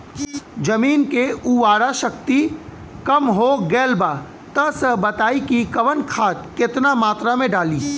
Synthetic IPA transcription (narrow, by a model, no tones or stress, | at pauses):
d͡ʒɐmiːnkeuːaːɾaʃɐkt̪i | kɐmɦoɡɛːlbaː | t̪ɐɦsəɦbɐt̪aːikikɐʋənkʰaːt̪kɪt̪namaːt̪ɾamẽɖaːliː